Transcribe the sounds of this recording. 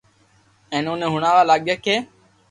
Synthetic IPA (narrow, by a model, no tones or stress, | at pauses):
ɛ̃ːnoːnẽːɦʊɳãːʋaːlaːɠeːkʰeː